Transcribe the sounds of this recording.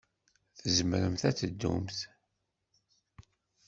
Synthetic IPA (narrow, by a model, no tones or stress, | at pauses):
θəzəmɾəmθæt͡sːəd̪ːṵmθ